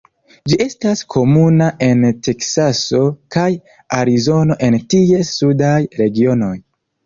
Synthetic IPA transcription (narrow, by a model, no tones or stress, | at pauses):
d͡ʒiʔe̞staskʰo̞munaʔe̞ntʰe̞ksaso̞kaj | aɾizo̞no̞ʔe̞ntie̞sudajɾe̞ɡio̞no̞j